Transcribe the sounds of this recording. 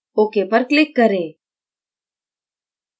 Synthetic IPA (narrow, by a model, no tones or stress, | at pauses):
oːkepəɾklɪkːəɾeː